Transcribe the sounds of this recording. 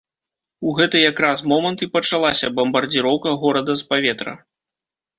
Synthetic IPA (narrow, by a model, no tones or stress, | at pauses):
uɣɛt̪ɨjakɾasmɔmɐnt̪ipɐt͡ʂalˠasʲɐbɐmbɐrd͡zʲiɾɔwkɐɣɔɾɐd̪ɐspavʲɛt̪ɾɐ̰